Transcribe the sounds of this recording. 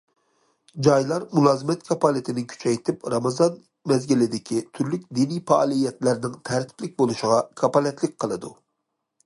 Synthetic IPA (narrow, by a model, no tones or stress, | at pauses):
d͡ʒɑjlˠɑɾmulˠɑːzɨmɛt̪kʰɑpɑlɪt̪ʰɪnɪkʲʰy̥t͡ʃʰɛjt̪ʰɪpɾɑmɑzɑn | mɛzɡʲilɪd̪ɪkʲʰit̪ʰyɾlyk̚ʲd̪inijfɑɑlˠijɛt̪læɾnɪŋt̪ʰæɾt̪ʰɪ̥plɪk̚ʲbolˠuʃɪʁɑkʰɑpɑlɛt̪lɪk̚ʲqʰəlˠɨd̪u